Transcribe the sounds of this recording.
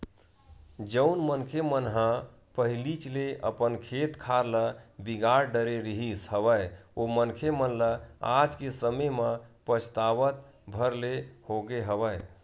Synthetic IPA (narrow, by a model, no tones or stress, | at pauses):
d͡ʒəʊnmənkʰemənɦã | pəɦilit͡ʃleʔə̰pənkʰet̪kʰaɾləbiɡaɾɖəɾeɾiɦisɦəʋəjomənkʰemənləa̰d͡ʒkesəməjmə̃pət͡ʃʰt̪aʋət̪̚ | bʱəɾlehoɡeɦəʋəj